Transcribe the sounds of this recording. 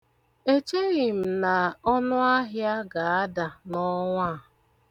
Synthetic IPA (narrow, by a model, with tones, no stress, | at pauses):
e˦t͡ʃe˦ɣɪ˨m̩˨na˨ɔ˦nʊ˦a˦ɦɪ˦a˦ɡa˨a˦da˨nɔ˦ŋʷa˦˨